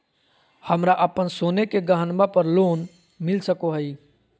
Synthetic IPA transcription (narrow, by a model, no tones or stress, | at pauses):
həmɾaʔəpənsoːnekeɡəɦənbapəɾloːn | mɪlsəkoɦəi